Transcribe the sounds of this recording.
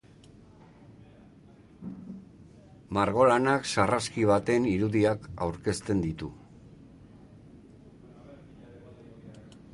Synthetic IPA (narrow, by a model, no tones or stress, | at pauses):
maɾɣo̞lanaksaraskiβ̞at̪e̞niɾuðiaka̰wɾke̞st̪e̞nd̪it̪u